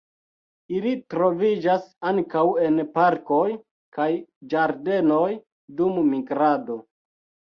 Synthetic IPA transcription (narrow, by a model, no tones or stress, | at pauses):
ilitɾo̞vid͡ʒasaŋkawe̞npaɾko̞j | kajd͡ʒaɾde̞no̞j | dummiɡɾado̞